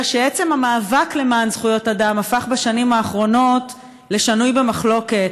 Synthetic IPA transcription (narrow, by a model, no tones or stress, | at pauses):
ʃeet͡se̞mamaːvakle̞maːnz̥χujo̞tadamafaχbaʃanimhaːχʁo̞no̞t | le̞ʃanujbe̞maχlo̞ke̞t